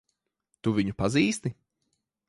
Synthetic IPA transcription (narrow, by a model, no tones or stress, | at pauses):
t̪uvʲiɲupaziːst̪i